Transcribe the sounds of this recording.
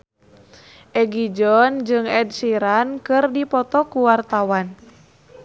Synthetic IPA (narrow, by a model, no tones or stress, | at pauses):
ʔɛɡid͡ʒɔnd͡ʒɨŋɛd̚siɾankɨrdipɔt̪ɔkuwart̪awan